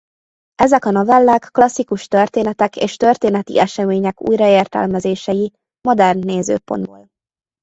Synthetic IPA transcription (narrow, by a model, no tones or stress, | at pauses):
ɛzɛkɒnovɛlːæːkːlɒsːikuʃt̪ørt̪eːnɛt̪ɛkḛːʃt̪ørt̪eːnɛt̪ḭʔɛʃɛmeːɲɛkṵːjrɒeːrt̪ɛ̰lmɛzeːʃɛji | mod̪ɛrnːeːzø̰ːpo̞̰nd̪bo̰ːl